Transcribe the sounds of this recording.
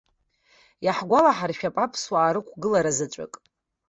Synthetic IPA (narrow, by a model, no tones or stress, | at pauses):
jaħɡʷalaħarʃᶣapʼapʰswaːɾɨkʷʰɡɨlaɾazat͡ʃʷʼa̰kʼ